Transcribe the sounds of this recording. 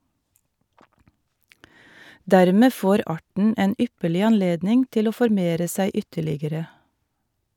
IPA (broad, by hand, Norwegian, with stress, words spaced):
ˈdæːɾmeː ˈfoːɾ ˈɑːʈɳ̩ ˈeːn ˈʏpəɭɪ ɑnˈleːdnɪŋ ˈtɪl ˈoː fɔɾˈmeːɾə ˈsæɪ ˈʏtəɭɪɡəɾə